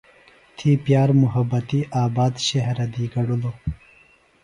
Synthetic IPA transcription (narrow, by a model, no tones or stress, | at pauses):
t̪ʰipjɑːɾmʊɦɐbɐt̪iʔaːbɑːd̪ɕeɦɾɐd̪iɡɐɽulo